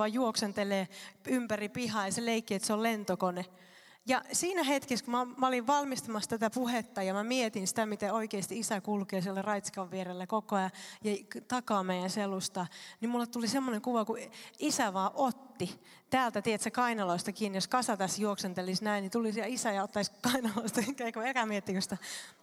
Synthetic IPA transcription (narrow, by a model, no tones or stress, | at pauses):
ɑjjuoksent̪eleːympæripihɑːjɑseleikːiet̪seollent̪okone | jɑsiːnæhet̪keskumɑmæoliʋʋɑlmist̪ɑmɑst̪æt̪æpuhet̪ːɑjɑmæmiet̪insi̥t̪æmit̪eoikeːst̪iisækulkeːsielːærɑit̪si̥kɑʋːierelːækokoɑjɑjɑt̪ɑkɑːmeijænselust̪ɑnimulːet̪t̪ulisemːoneŋkuʋɑkuisæʋɑːʔot̪ːi | t̪æːlt̪æt̪iet̪sækɑinɑloist̪ɑkiːnjoskɑsɑt̪æsjuoksent̪elisnæinnit̪ulisiɑisæjɑot̪ːɑiskɑinɑloist̪ɑikːæikuelkæmiet̪ːikøst̪æ